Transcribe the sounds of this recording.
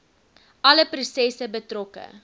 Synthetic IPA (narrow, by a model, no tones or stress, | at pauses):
ɐləprusɛsəbətrɔkə̰